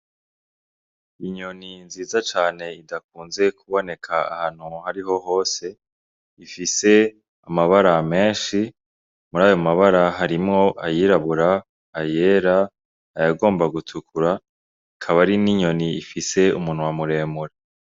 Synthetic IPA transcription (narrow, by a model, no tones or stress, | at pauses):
iɲo̞ninziːzat͡ʃaːne̞idakuːnze̞kʰuβo̞ne̞kʰaa̰haːn̥huhaɾiɦo̞ɦo̞ːse̞ | ifise̞ | amaβaɾame̞ːnʃi | muɾaːjo̞maβaɾaɦaɾimŋo̞ʔajiːɾaβuɾaː | je̞ːɾaː | jaɡo̞ːmbaɡutʰukʰuɾa | kʰaβaɾiniɲo̞niːfise̞umuːn̥hwamuɾe̞ːmuɾa